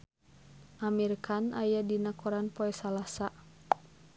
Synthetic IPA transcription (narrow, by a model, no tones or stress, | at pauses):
ʔamirkanʔajadinakɔɾanpɔɛsalasa